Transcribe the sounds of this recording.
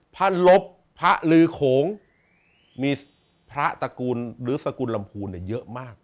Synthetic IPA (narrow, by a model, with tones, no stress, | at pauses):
pʰa˥˩nlo˦˥pʰːa˦˥ʔlɯː˧kʰoː˨˩˦ŋ | miː˧ | pʰɾa˦˥ʔt̪a˧kuː˧nɾɯː˨˩˦sa˧kuː˧nla˧mpʰuː˧nːi˥˩jɤ˦˥ʔmaː˥˩k̚